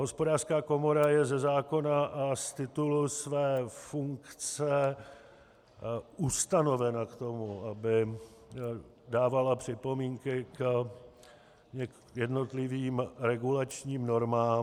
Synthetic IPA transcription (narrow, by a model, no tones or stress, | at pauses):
ɦo̞spo̞daːrskaːko̞mo̞ɾajɛzɛzaːko̞naʔast̪ɪt̪ulusvɛːfuŋkt͡sɛ | ʔust̪ano̞vɛnakt̪o̞muʔabɪ | daːvalapr̝̥ɪpo̞miːŋkɪk | ɲɛ | jɛdno̞t̪lɪviːmɾɛɡulat͡ʃɲiːmno̞ɾmaːm